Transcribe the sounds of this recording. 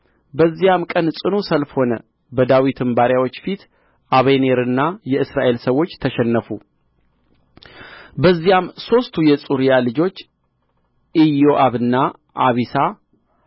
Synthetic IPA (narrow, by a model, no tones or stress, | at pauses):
bəzːijamkʼənsʼɨnusəlfho̞nə̰ | bəd̪awit̪ʰɨmbaɾjawo̞t͡ʃːfit̪ | ʔaβeneɾɨnːajɛɨsɾaʔe̞lsəwo̞t͡ʃːt̪ʰəʃɛnːəfu | bəzːijamso̞st̪ʰujɛsʼuɾijalɨd͡ʒo̞t͡ʃː | ʔijo̞ʔaβɨnːa | ʔaβisa